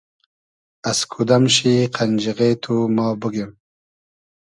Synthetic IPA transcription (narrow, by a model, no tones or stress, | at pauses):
askʰud̪amɕiqʰand͡ʒiɣeːt̪ʰumɑːbəɡem